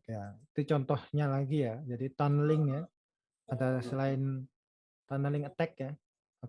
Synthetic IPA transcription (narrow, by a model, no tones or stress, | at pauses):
jait̪ut͡ʃɔnt̪ɔhɲalaɡijad͡ʒadit̪anlɪŋja | adasəlaɪn | t̪anlɪŋət̪ɛk̚ja | a